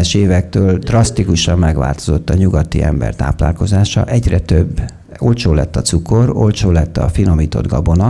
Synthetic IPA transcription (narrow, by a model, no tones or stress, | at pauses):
ɛʃeːvɛk̚t̪øːld̪rɒst̪ikuʃɒmːɛɡʋa̰ːlt̪o̞zo̞t̪ːɒɲuɡɒt̪ḭʔɛ̰mbɛ̰rt̪a̰ːpla̰ːlko̞zaːʃɒ̰ʔɛɟrɛt̪øbː | o̞lt͡ʃoːlɛt̪ːɒt̪suko̞ro̞lt͡ʃoːlɛt̪ːɒ̰finomiːt̪o̞̰d̪ɡɒ̰bo̞nɒ